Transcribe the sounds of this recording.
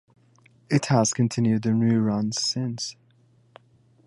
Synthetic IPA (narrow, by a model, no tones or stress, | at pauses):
ɪthəz̥kʰə̃ntʰɪ̃njʉd̪̚ðɨnʉɹʌ̃nz̥sɪ̃ns